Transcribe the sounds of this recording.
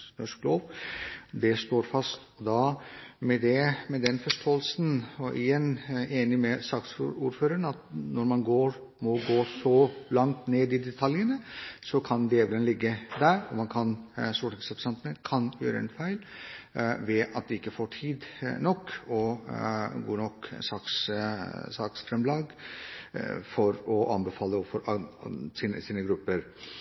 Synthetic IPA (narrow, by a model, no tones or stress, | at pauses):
nɔʂkloːʋ | d̪ɛst̪oːɾfɑst̪ɔd̪ɑmɛd̪ɛmɛd̪ɛnfɔʂʈʰoːəlsn̩ɔʔɪ̰jɛnːeːnɪmɛsɑkt̪sɾuːɾføːɾəɳəɑt̪nɔɾmɑnɡoːɾ | mɔɡoːsɔlɑŋt̪neːd̪ɪd̪ɛt̪ʰɑljənəsɔkʰɑnd̪ɪeːʋlənlɪɡːəd̪æɾɔ̰mɑnkʰɑnst̪uːʈɛksɑpsɛnt̪ənəkʰɑnjø̰ːɾəɛ̰nfæɪl | ʋɛʔɑt̪̚d̪ɛɪkːəfoːʈʰiːd̪nɔkːɔ | ɡoːnɔk̪ːsɑːks | sɑːksfɾɛmlɑːɡ | fɔɾɔʔɑnbəfɑːlːəofɔɾ | siːnəsiːnəɡɾʉpːəɾ